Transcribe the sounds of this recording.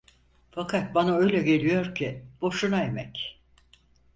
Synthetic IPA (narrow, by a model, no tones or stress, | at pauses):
fakʰat̪̚banaø̞jlʲɛɟe̞lʲijo̞ɾcʰib̥o̞ʃunae̞mɛc